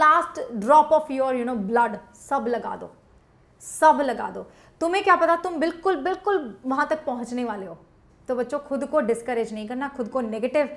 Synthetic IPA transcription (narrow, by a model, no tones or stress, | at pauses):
laːsʈɖɾɔːpɔːfjoɾjunoːblɐɖ | sɐbʱlɐɡa̰ːd̪o̰ː | sɐbʱlɐɡa̰ːd̪o̰ː | t̪ʊmẽkjaːpɐt̪at̪ʊmbɪlkʊlbɪlkʊlʋɐɦãt̪ɐk̚pɐɦʊ̃t͡ʃneʋaːleɦoː | t̪obɐtːʃokʰʊd̪koɖɪskəɾed͡ʒnɐɦĩkɐɾnakʰʊd̪koneːɡeːʈɪʋ